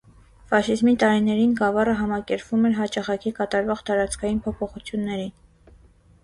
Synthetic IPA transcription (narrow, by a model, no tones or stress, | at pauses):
fɑʃizmit̪ɑɾinɛɾinɡɑvɑrəɦɑmɑkɛɾpvumɛɾɦɑt͡ʃɑχɑkʰikɑt̪ɑɾvɔʁt̪ɑɾɑt͡skʰɑjinpʰɔpʰɔχut͡sʰjunːɛɾin